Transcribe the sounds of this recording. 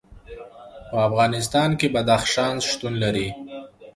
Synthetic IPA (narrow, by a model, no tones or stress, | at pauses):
pəafɣɑnɪs̬t̪ɑnkebad̪axʃɑnzʃt̪unlaɾi